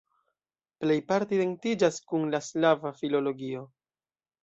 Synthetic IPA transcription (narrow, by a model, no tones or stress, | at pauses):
ple̞jpaɾtideŋtid͡ʒaskunlaslavafilo̞lo̞ɡio̞